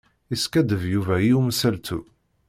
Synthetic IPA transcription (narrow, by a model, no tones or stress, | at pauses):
iskæd̪əvjuvæjiumsælt̪u